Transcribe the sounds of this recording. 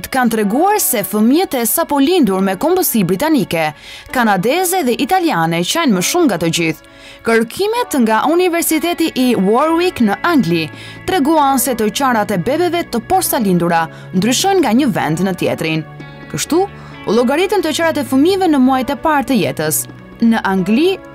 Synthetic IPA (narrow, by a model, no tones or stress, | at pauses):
t̪kant̪ɾɛɡuaɾsɛfəmiət̪ɛsapɔlind̪uɾmɛkɔmbəsibɾit̪anikɛkanad̪ɛzɛðɛʔit̪alianɛt͡ʃanməʃumŋɡat̪əd͡ʑiθ | kəɾkʰimɛt̪ŋɡaʔunivɛɾsit̪ɛt̪iʔːwɔɾwiknəʔaŋɡli | t̪ɾɛɡuansɛt̪ət͡ɕaɾat̪ɛbɛbɛvɛt̪əpɔɾst̪alind̪uɾa | nd̪ɾyʃɔjnŋɡaɲəvɛ̰nd̪nət̪jɛ̰t̪ɾin | kəʃt̪u | ulˠɔɡaɾit̪ənt̪ət͡ɕaɾat̪ɛfəmivɛnəmuajt̪ɛpaɾt̪əjɛ̰t̪əs | nəʔaŋɡli